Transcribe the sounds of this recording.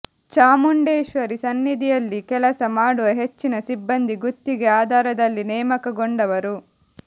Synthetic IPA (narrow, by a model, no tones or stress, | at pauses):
t͡ʃaːmuɳɖeːʃʋɐɾisɐnːid̪ijɐlːikɛlɐsɐmaːɽuʋɐɦet͡ʃːinɐsibːɐnd̪iɡut̪ːiɡeaːd̪ʱaːɾɐd̪ɐlːinɛːmɐkɐɡoɳɖɐʋɐɾu